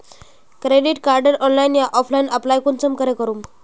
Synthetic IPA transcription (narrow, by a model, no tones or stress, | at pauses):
kɾeɖiʈkaɾɖəɾɔnlajinjaʔɔflainəplajkunt͡səmkəɾekəɾuːm